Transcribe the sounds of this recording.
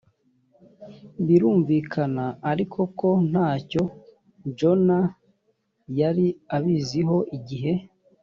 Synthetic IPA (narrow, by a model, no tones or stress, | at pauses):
βiɾuːɱvikʰanaːɾikʰo̞ko̞n̥haːco̞ | d͡ʒo̞na | jaɾiaβiziɦo̞ʔiɟiɦe̞